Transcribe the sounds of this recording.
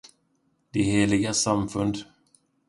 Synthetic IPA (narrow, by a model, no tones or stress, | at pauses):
d̪ɪheːlɪɡasamfɵnd̪